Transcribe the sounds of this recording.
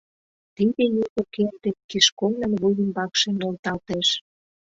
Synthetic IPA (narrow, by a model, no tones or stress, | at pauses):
t̪id̪ej̪ik̪okerd̪ekiʃkomnɑnβujimbɑkʃenolt̪ɑlt̪eʃ